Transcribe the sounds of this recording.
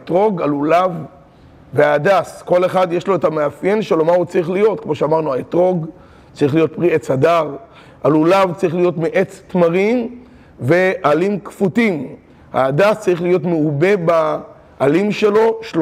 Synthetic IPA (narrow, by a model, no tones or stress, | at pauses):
tʁo̞ɡalulav | veaːdasko̞le̞χad̪jeʃlo̞etameafjenʃelo̞maut͡saʁiχlijo̞t̚kmo̞ʃeamaʁnuaetʁo̞ɡ | t͡saʁiχlijo̞t̪̚pʁiet͡sadav | ʔalulavt͡saʁiχlijo̞tmiʔet͡st̪maʁim | ve̞ʔalimkfutim | ha̰ːdast͡saʁiχlijo̞tmeube̞baː | limʃe̞lo̞ʃlo